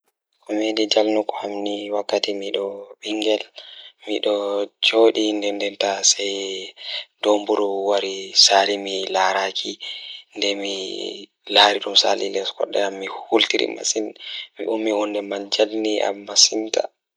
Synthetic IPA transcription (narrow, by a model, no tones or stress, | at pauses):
kɔmedid͡ʒalnukɔhamniwakːatimiɗɔɓiŋɡɛlmiɗɔd͡ʒoɗindɛndɛntasɛj | dombuɾuwaɾisaːlimilaɾakʰindɛmi | laːɾiɗumsa̰lḭlɛskɔ̰ɗːɛ̰amːihultiɾḭma̰sinmḭʔumːihundɛmand͡ʒalniʔa̰mːasinta̰